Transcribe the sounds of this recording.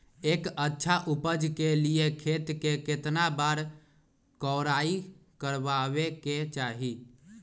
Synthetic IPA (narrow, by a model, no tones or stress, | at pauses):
eːkətːʃʰaʔupəd͡ʒkeliekʰet̪keket̪nabaɾ | kɔɾai | kəɾbaβeket͡ʃaɦi